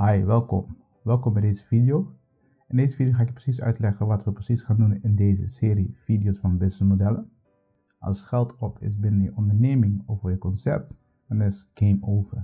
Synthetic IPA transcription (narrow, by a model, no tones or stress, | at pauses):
hajʋɛlˠkɔ̰m | ʋɛlˠkɔmbɛjdezəfidijo | ɛndejzəfidijoxaːɪk̚prəsisœ̰ɥtlɛχənʋɑtʋəprəsisχaːndunɪndejzə̰sɪːɾifidijosfɑnbɪsəmodɛlən | ʔɑ̰lˠsχɛlˠtʰɔpʰɪ̰sbɪnənjəʔɔndəɹnejmɪŋɔfəjəkɔnsɛ̰p̚t | dɑnɪsɡ̥ejmoːvəɹ